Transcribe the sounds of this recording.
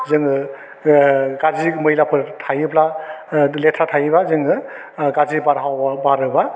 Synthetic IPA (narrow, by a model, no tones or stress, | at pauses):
zɯŋɯ | ɡazimɯjlapʰɯtʰajɯpla | letʰatʰajɯbazɯŋɯ | ɡazibaɾɦawbabaɾɯba